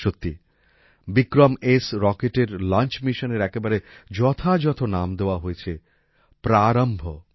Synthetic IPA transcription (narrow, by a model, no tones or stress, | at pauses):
ʃot̪ːi | bikɾomesɾɔkeʈeɾlant͡ɕmiʃoneɾɛkebaɾed͡ʑɔt̪ʰad͡ʑɔt̪ʰonamd̪eoaɦoet͡ɕʰe | pɾaɾombʱo̰